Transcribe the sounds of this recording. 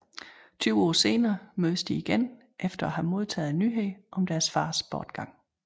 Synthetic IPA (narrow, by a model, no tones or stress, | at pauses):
t͡sʰyʊɒ̰ːse̝ːnɐːmøːð̞ˠəsd̥iiɡ̥en | ʔefd̥ɐæhæmo̝ð̞ˠt͡sʰɛ̰ːð̩ˠnyɦeɪʔɒ̽md̥æɐsfɑ̈ːsb̥ɒːd̥ɡ̥ɑ̈ŋ̰